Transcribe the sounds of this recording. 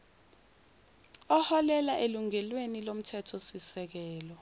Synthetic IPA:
ɔhɔlɛlaʔeluŋɛlwenilom̩tʰɛtʰɔsisɛk̬ɛːlɔ

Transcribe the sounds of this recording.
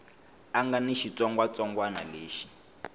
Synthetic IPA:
aŋɡaniʃit͡sɔŋɡwat͡sɔŋɡwana̰leːʃi̥

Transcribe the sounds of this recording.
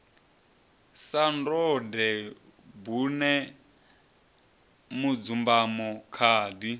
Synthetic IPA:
sandɔdɛ | bunɛ | mud͡zumbamɔkʰaːdi

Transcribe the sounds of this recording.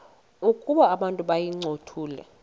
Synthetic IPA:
ukʼuɓaːɓantʼuɓajiŋ͡ǀʱotʰuːlɛ̰

